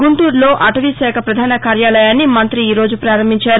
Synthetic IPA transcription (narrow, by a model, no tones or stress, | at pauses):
ɡuɳʈuːɾlo̞ːʔɐʈɐʋisɛːkʰɐpɾɐd̪ʱaːnɐkaːɾjaːlɐjaːnːimɐnt̪ɾiiːɾo̞ːd͡ʒupɾaːɾɐmbiɲt͡ʃaːɾu